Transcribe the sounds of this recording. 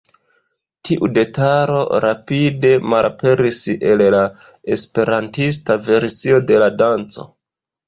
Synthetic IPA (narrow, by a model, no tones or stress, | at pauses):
tʰiʔude̞taɾo̞̰ɾapide̞malape̞ɾise̞lla | e̞spe̞ɾantis̬tave̞ɾsio̞de̞ladant͡so̞̰